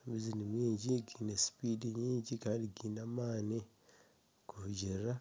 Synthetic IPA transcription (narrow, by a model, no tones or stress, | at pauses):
mizinumiːɲɟiɡiːnesi̥pidiɲiːɲɟikaːndiɡiːnamaːni | kuhuɟiɾa